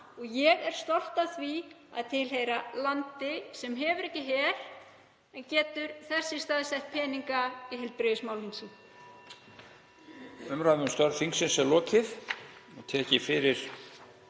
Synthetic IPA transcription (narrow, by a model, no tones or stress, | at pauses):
ɔɣjɛɣɛɾ̥st̪ɔl̥t̪aθvi | a̰ðt̪ʰɪlɦejɾalant̪ɪsɛmɦɛvʏɾɛhcːɪɦɛɾ̥ | ɛncɛːt̪ʏɾ̥θɛsːɪst̪aːðsɛht̪̚pʰɛːniŋkaiɦɛlt̪̚pɾeðɪsmaːwlinsɪn | fʏmɾaðvʏmst̪œɾθiŋksɪnsɛlɔːcɪθɔt̪ʰɛːcɪfɪɾɪɾ̥